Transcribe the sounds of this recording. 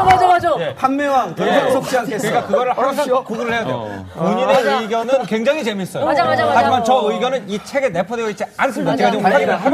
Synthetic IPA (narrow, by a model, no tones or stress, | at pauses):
mad͡ʑoad͡ʑojepanmewaŋtɯosʰok͈iaeeɡakɯɡʌɾɯɭhʰkuɡuɾɯɭhʰejadejouɲineɯiɡʲjʌnɯnkwe̞ŋd͡ʑaŋit͡ɕe̞mis͈ʌjaad͡ʑimant͡ɕʌɯiɡjʌnɯnit͡ɕʰe̞ɡene̞pʰʌdeoit͡ɕʰeans̬͈ʰɯmod͡ʑeɡad͡ʑiɡʰaiɾɯɦa